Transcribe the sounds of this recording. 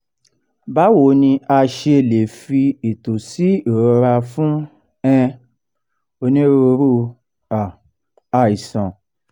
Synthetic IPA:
ba˨˦wo˨˦nĩ˧a˧ʃe˧e˨le˨fi˧i˨to˨si˨˦e˨ɾɾa˧fũ˦ | ɛ̃˧ | o˧nĩ˦ɾo˧ɾu˦ | a˨ | a˧˨i˨sɔ̃˨

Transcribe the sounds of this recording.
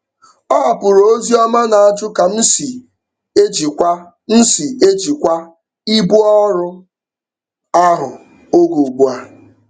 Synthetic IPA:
ɔ˦a˨pʊ˨ɾo˦zi˦ɔ˦ma˦na˨a˦˨d͡ʒʊ˦ka˨n̩˦si˨ | e˦d͡ʒi˨kʷa˦ | n̩˦si˨e˦d͡ʒi˨kʷa˦ | i˦bu˦ɔ˦ɾʊ˦ | a˦ɦʊ˨ | o˦ɡu˨ɡ͡bu˦a˦

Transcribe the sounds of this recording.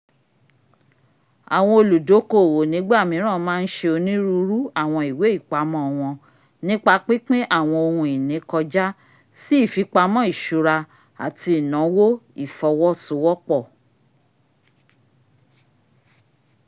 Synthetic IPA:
a˨w̃ɔ̃˧o˧lu˨do˨˦ko˦˨wo˨nĩ˨˦ɡ͡ba˦˨mĩ˨˦ɾ̃ã˦˨˦mãː˦˧n̩˦ʃe˧o˧nĩ˦ɾu˦ɾu˦a˦˨w̃ɔ̃˧i˨we˨˦i˦˨k͡pa˨˦mɔ̃˦˨˧w̃ɔ̃˧ | nĩ˦k͡pa˧k͡pe˦k͡pe˦ʔa˦˨w̃ɔ̃˧o˧hũ˧i˨nĩ˨˦kɔ˧d͡ʒa˦ | si˦i˦˨fi˨˧k͡pa˧mɔ̃˦i˦˨ʃu˨˧ɾa˧ | a̰˨ti˧˨nã˨˦wo˦i˦˨fɔ˧˦wɔ˦so˧˦wɔ˦k͡pɔ˦˨

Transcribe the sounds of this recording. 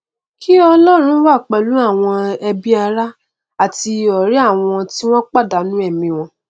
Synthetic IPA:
ki˦ɔ˧lɔ˦˨ɾ̃ũ˨˦wa˦˨k͡pɛ˨lu˨˦a˦˨w̃ɔ̃˧ɛ˧bi˦a˧ɾa˦ | a˦˨ti˧ɔ˨ɾi˦a˦˨w̃ɔ̃˧ti˦w̃ɔ̃˦k͡pa˦˨da˨˦nũ˦ɛ˦˨mĩ˧w̃ɔ̃˧

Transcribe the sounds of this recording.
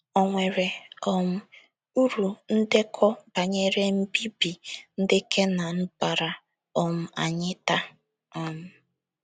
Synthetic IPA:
ɔ˨ŋʷe˨ɾe˨ɔ˨m̩˦ | u˦ɾu˨n̩˦dɪ˦kʰɔ˦ba˨ɲe˦ɾe˦m̩˦bi˦bi˨n̩˦dɪ˦kʰe˦na˨n̩˦ba˨ɾa˨ | ɔ˨m̩˨a̰˨ɲɪ˦ta˦ | ɔ˨m̩˦

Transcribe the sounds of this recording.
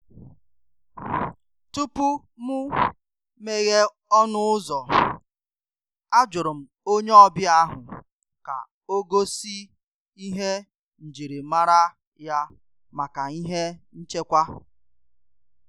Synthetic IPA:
tu˦pu˦ | mʊ˦ | me˦ɣe˦ | ɔ˦nʊ˦ʊ˦zɔ˨ | a˦d͡ʒʊ˨ɾʊ˨m̩˨ | o˦ɲe˦ɔ˦bjɪ˦a˦ɦʊ˨ | ka̰˨ | o˦ɡo˦si˦ | i˦ɦe˦ | n̩˨d͡ʒi˨ɾi˨ma˦ɾa˦ | ja˦ | ma˨ka˨i˦ɦe˦n̩˦t͡ʃe˦kʷa˦

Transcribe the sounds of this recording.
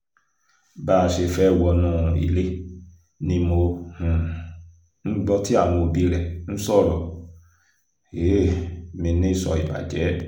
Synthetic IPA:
baː˦˨ʃe˧fɛ˦˨wɔ˧nɔ̃ː˦˨˧ḭ˨le˦ | nĩ˧˦mo˧hũ˨ | n̩˦ɡ͡bɔ˦ti˦a˦˨w̃ɔ̃˧˨bi˨˦ɾɛ˨n̩˦sɔ˦˨ɾɔ˨ | e˨˦˨mĩ˧nĩ˦˨sɔ̰˧i˨ba̰˨d͡ʒɛ˨˦

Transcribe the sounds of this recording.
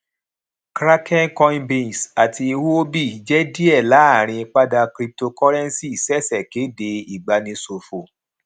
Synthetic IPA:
kɾa˦kɛ˦nkɔ˧ĩ˦bĩ˦˨sa˨tʰi˧i˧wu˦o˦bi˦˨d͡ʒɛ˦di˦ɛ˦˨la˨˦a˦˨ɾ̃ĩ˧k͡pa˦da˧kɾi˧p̚to˧kɔ˦ɾɛ̃˦n˦si˦˨sɛ˦˨sɛ˨ke˨˦de˧i˨ɡ͡ba˨nĩ˧so˨fo˨

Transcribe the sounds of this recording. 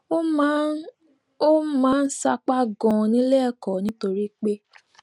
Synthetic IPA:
o˦mãː˨˦n̩˦sa˧k͡pa˦ɡɔ̃˨nĩ˦lɛ˦˨kɔ˨nĩ˦to˧ɾi˦k͡pe˦

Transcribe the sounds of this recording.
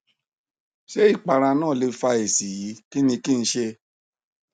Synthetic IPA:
ʃe˦i˦˨k͡pa˧ɾã˧nãː˦˨le˧fa˧e˨si˨ji˨˦ki˦nĩ˧kĩ˦˨n̩˧˦ʃe˧

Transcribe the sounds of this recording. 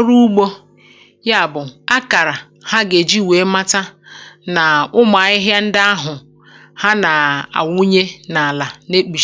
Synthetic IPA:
ɾu˦ɡ͡bo˦ | ja˦˨bʊ˨a˦ka˨ɾa˨ | ha˦ɡe˨d͡ʒi˦˨we˨˦ma˦ta˦na˨ʊ˦ma˨ɪ˦ɦja˦n̩˦dɪ˦a˦ɦʊ˨ | ha˦na˨a̰˨wu˦ɲe˦na˨la˨ne˦k͡pi˨ʃ

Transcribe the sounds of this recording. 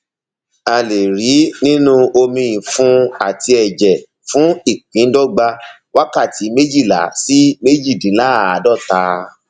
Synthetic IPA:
a˧le˨ɾi˨˦nĩ˦nũ˦o˧mĩ˧ĩ˨fũ˨˦a˦˨ti˧ɛ˨d͡ʒɛ˨ | fũ˨˦i˦˨k͡pĩ˨˦dɔ˦ɡ͡ba˧ | wa˦ka˦˨ti˨˦me˦d͡ʒi˦˨la̰˨˦si˦me˦d͡ʒi˦˨dĩ˨˦la˦˨a˨˦dɔ˦˨ta˧

